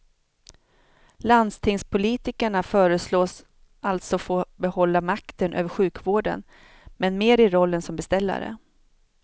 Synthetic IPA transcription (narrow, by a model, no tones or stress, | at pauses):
land̪st̪ʰɪŋspʰʊliːt̪ɪkəɳafœːɾəsloːs | ʔalt̪sɔfoːbɛhɔlːamakt̪ənʔø̰ːvəɾɧʉ̟ːkvoːɖə̰n | mɛnmeːɾɪɾɔlːənsɔmbɛst̪ɛlːa̰ɾə̰